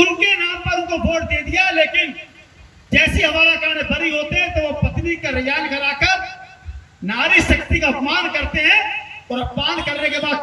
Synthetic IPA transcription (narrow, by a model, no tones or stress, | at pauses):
ʊnkenaːmpɐɾʊ̃nkobʱoːʈd̪eːd̪ijaleːkɪn | d͡ʒɛːsiɦɐmaːlakaːnebɐɾiɦoːt̪eɦɛ̃t̪oʋopɐt̪nikaɾɪjaːnkɐɾaːkəɾ | naːɾiʃɐkt̪ikaɐpmaːnkɐɾt̪eɦɛ̃ɔːɾɐpmaːnkɐɾnekebaːd̪